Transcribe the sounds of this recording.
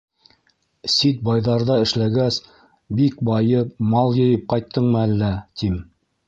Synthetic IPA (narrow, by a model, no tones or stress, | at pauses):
sit̪̚bɑjðɑɾðɑɘ̆ʃlæɡæs | bikbɑjɤp̚mɑlˠjɤ̆jɤp̚qɑjt̪ʰːɤɴmɤ̆ælːæt̪ʰim